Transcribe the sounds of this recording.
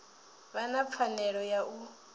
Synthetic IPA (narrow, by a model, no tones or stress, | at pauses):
βanap̪fʰanɛɺɔjaʔu